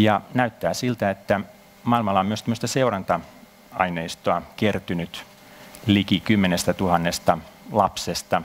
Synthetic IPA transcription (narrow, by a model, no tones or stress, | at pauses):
jɑnæyt̪ːæːsilt̪æet̪ːæ | mɑilmɑlːɑomyøst̪æmːøst̪ɑseurɑnt̪ɑ | ɑineist̪oɑkert̪ynyt̪ | likikymːenest̪æt̪uhɑnːest̪ɑlɑpsest̪ɑ